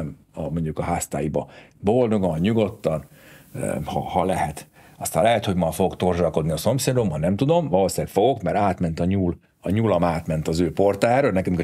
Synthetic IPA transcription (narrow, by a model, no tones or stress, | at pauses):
m | ɒmo̞ɲɟukɒɦaːst̪a̰ːjibɒbold̪o̞ɡonɲuɡo̞t̪ːɒn̰ | hɒ̰hɒlɛɦɛt̪ | ɒst̪aːlɛɦɛt̪ho̞ɟmɒfoɡokt̪o̞rʒɒko̞d̪niɒso̞mseːd̪o̞mɦɒnɛmt̪ud̪o̞mvɒloːsɛkfo̞ɡo̞kmɛɾaːt̪mɛnt̪ɒɲuːl | ɒɲuːlɒmaːt̪mɛnt̪ɒzøːpo̞rt̪aːjaːɾøːlnɛkɛmik